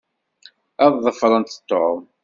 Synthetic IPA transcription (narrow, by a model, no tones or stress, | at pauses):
æðˤðˤəfɾˤənt̪ə̥t̪ːoʕ